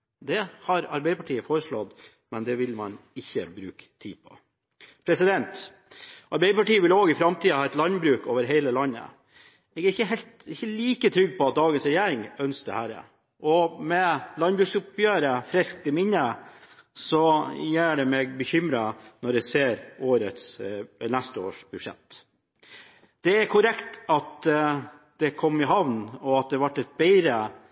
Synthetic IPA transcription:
d̪ɛhɑɾɑɾbɛɪəpɑʈʰiːəfoːɾəʂlɔd̪ | mɛnd̪ɛʋɪlmɑnɪçːəbɾʉ̰ːkt̪ʰḭːpʰɔ̰ | pʰɾɛsɪd̪ɛnt̪ | ʔɑɾbɛɪəpɑʈiːəʋɪloːɡɪfɾɑmt̪ʰiːɑhɑːɛt̪lɑnbɾʉːkoːʋəɾɦeɪləlɑnːə̰ | ɛɡæɾɪçəɦɛlt̪ɪçːəliːkət̪ʰɾʏɡpʰɔɑt̪̚d̪ɑːɡənsɾɛjeːɾɪŋœnsd̪ɛ̰hæːɾə̰ | ʔɔmɛlɑnbɾʉːksɔpjøːɾəfɾɪsk̚t̪ɪmɪnːə | sɔjæːɖɛmɛɡbəçʏmɾɑnɔɾɛseːɾoːɾət̪snæst̪əo̰ːʂb̥ʉʂɛ̰t̪ː | d̪̥ɛæɾkʰʊɾɛkt̪ɑt̪ | d̪̥ɛkʰɔmːɪɦɑʋnɔɑt̪̚d̪ɛʋɑʈːɛt̪̚bæɪɾə

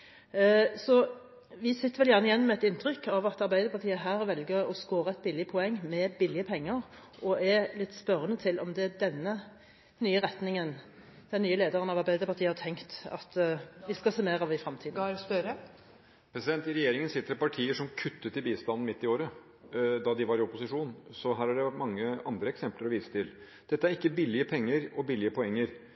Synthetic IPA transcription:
sɔ | ʋɪsɪt̪ːəɾʋɛljæʁnəɪjɛnːmɛɛt̪ɪnt̪ʁʏkɑʋɑt̪ɑɾbæɪd̪əɾpɑt̪iːəɦæːɾʋɛlɡəʁɔskoːɾəɛt̪̚bɪlːɪəpʰɔɛŋːmɛbɪlɪəpʰɛŋːəɾ | ʔɔʔɛlɪt̪ːspœɾənət̪ʰɪlʔɔmd̪ɛd̪ɛnːə | nyːəɾɛt̪nɪŋən | d̪̥ɛnyːəleːd̪əʁənɑʋɑɾbæɪd̪əpɑʁt̪ʰiːəhɑt̪ʰɛŋkt̪ɑ̰t̪ʋɪskɑsemeːɾɑʋɪfɾɑmt̪ʰiːd̪spœɾə | pʰɾɛsɪd̪ɛnt̪ɪɾɛjeːɾɪŋənsɪt̪ːəɾɔpɑʈʰiːəʂɔmkʰʉt̪ːət̪ːɪlbiːst̪ɑnːn̩mɪt̪ːɪoːɾə | d̪ɑd̪ɪʋɑɾɪɔpʊsɪʂuːnsɔɦæːɾæɖɛʋæʈmɑŋːəɑnd̪ɾəɛksɛmpləɾɔʋiːsə̥t̪ʰɪl | d̪̥ɛt̪ːæɾɪkːəbɪlːɪəpʰɛŋːəɾɔbɪlːɪəpʰɔɛŋːəɾ

